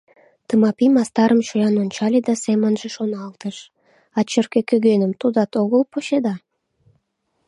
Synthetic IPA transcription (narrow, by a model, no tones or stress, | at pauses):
t̪əmɑpimɑst̪ɑɾəmʃojɑnonʲt͡ɕɑlʲed̪ɑsemənʒeʃonɑlt̪əʃ | ɑt͡ɕərkekøɣenəmt̪ud̪ɑt̪oɣəlpoɕed̪ɑ